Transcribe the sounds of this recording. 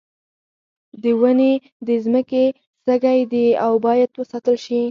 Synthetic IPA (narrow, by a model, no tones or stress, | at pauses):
d̪əwəne | d̪əzməke | səɡajd̪eawbɑjad̪wəsɑt̪əlʃi